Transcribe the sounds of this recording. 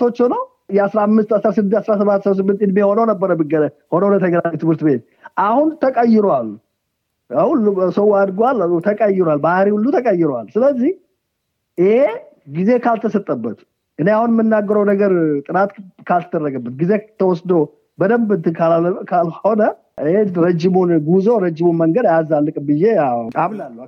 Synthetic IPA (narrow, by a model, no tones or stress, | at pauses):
ot͡ʃːɛnəw | jɛasɾamːɨst̪asɾasɨd̪ɨasɾasəβat̪ːss̬ɨmːɨnt̪jɪd̪miɛho̞nəwnəbːəɾəbɨɡə | ho̞nəwnət̪ʰəɡənamit̪ʰɨmhɨɾt̪ɨbe̞t̪̚ | ʔahunt̪ʰəkʼəjːɪɾwal | awulːusəwad̪ɡoalːt̪ʰəkʼəjɪɾwalbahɾiulːut̪ʰəkʼəjːɪɾwa̰lsɨləzːih | jɪhe | ɡize̞kʰalt̪ʰəsət̪ʼːəbːət̪ | ʔɨnːeahunmːɨnːaɡːəɾəwnəɡəɾt̪ʼɨnat̪kʰalt̪ʰəd̪ərːəɡəbːət̪̚ɡize̞t̪ʰəwɔsd̪əw | bəd̪əmbɨnt̪ɨkʰakʰalhho̞nə | heɾəd͡ʒːɪmunɡuzoɾəd͡ʒːɪmunməŋɡəd̪ajazalːɨkʼɨbɨjːe̞aaβnalːu